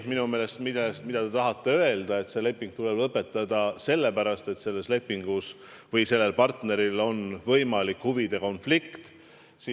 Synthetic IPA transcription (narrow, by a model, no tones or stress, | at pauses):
minumeːle̞st̪mid̪ɑst̪mid̪̥ɑt̪e̞t̪ɑɦɑt̪ːˑe̞ø̞e̞ld̪̥ɑe̞t̪se̞le̞pːˑiŋɡ̥̚t̪uleb̥lɤpːe̞t̪ːˑɑd̪̥ɑse̞lːepæɾɑst̪e̞t̪se̞lːe̞sle̞pːˑiŋɡ̥us | vɤjse̞lːe̞lpɑrt̪ne̞ɾilo̞nvɤ̞jmɑlikhuvid̪̥e̞ko̞nflikt̪ | si